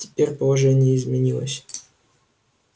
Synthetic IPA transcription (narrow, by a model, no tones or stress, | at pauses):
tʲɪ̥pʲeɾʲpəlˠɐʐɛnʲɪjəɪzmʲɪnʲilˠə̰sʲ